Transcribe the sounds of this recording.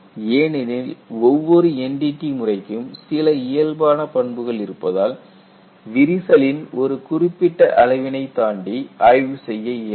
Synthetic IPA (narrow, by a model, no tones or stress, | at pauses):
eːnɪnɪlɔʋːɔɾɯɛɳɖiʈːimʊrɐɪkːɯmsɪlɐɪjɐlbaːnɐpɐɳbɯɣɐɭɪɾɯpːɐðaːl | ʋɪɾɪsɐlɪnɔɾɯkʊrɪpːɪʈːɐʔɐlɐɪʋɪnɐɪt̪ːaːɳɖiʔɐjʋɯsɛjːɐɪ